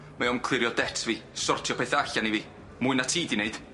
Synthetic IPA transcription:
maɔnkʰl̥ˠɪɾjɔdɛtʰviːsɔrtʰjɔpʰeθaɬaniviː | mʊɨnatʰiːdineɨd̥

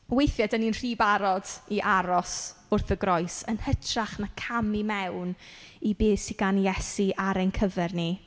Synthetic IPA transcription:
wejθjadəninr̥iːbaɾɔdiʔaɾɔsʊrθəɡɾɔɨsənhətʰraχnakʰamimɛwnibeːsiɡanjɛsiʔaɾejnkʰəvɛrni

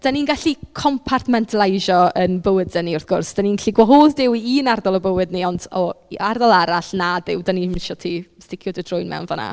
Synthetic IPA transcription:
d̥aninɡaɬikʰɔmpʰartʰmɛntʰlˠajʒɔənbəwɨddəniʊrθɡ̥ʊrsd̥aniːnɡaɬiɡwaɦoːðdɪwiiːnardɔlˠɔbəwɨdniɔndɔardɔlˠaɾaɬnadɪwdanimɪʃɔtʰiːstɪkʰjɔdədrʊjnmɛ̰wnvɔ̰na̰

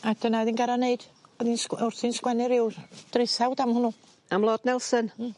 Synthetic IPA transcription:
ad̥ənaɔðinɡaɾaneɨd̥ɔðinsʊrθinskwɛnɪɾɪwd̥rɪθawdamhʊnu | amlˠoːd̥nɛlˠsən

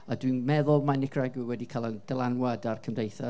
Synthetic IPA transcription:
adwinmɛðʊlˠmanɪkʰraɡɪwɛdikʰalˠənd̥ɛlˠanwadarkʰəmdejθɔ

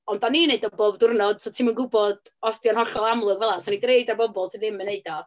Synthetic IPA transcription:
ɔndaniːneɨdɔboːbdʊrnɔd̥sɔtʰiːmənɡʊbɔdɔstjɔnhɔɬɔlˠamlˠʊɡvɛlˠasɔnidreɨdarbɔbɔlˠsɨðɪmːəneɨdɔ

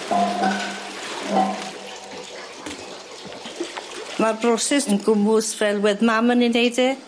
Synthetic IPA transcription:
marbrɔsɛsənɡʊmʊsfrɛlˠwɛðmaməninejdi

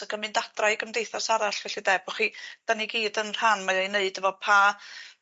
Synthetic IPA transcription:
aɡəmɨndad̥rajɡəmdejθasaɾaɬvɛɬidɛbɔχid̥aniɡiːdənr̥anmaajneɨdəvɔpʰa

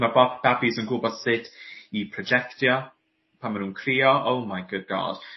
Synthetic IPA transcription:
mabab̥abizənɡʊbɔdsɪtʰipʰrɔd͡ʒɛktjɔ | pʰanmanuːnkʰriːɔʔowmajɡ̥ʊd̚ɡɔ̰ːd̥

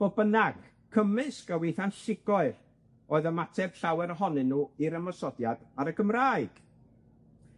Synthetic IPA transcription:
b̥obənaɡ̥ | kʰəmɨskawejθanɬɪɡɔɨr | oːɨðəmatʰɛb̥ɬawɛɾəɦɔnɨnːuːiɾəmɔsɔdjad̥aɾəɡʰəmraːɨɡ̥

